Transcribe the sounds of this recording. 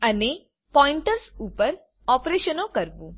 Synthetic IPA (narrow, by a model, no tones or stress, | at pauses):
əne | pɔiɳʈəɾsupəɾ | ɔpɾeʃənokəɾʋũ